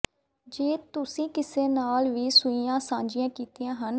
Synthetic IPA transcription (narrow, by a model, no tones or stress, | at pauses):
d͡ʒeːt̪ʊsĩːkɪseːnaːlʋiːsʊiːjãːsãːɲd͡ʒɪjãːkiːt̪ijãːɦən